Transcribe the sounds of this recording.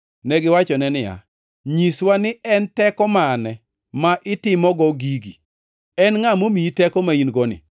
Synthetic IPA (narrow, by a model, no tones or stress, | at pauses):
nɛɡɪwat͡ʃɔnɛnɪja̰ | ɲiswanɪɛntɛkɔmanɛ | maʔɪtɪmɔɡɔɡiɡi | ɛnŋamomiitɛkɔmainɡɔnɪ̰